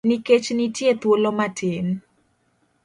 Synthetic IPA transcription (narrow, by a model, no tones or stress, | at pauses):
niket͡ʃnitjet̪wolomatʰɪn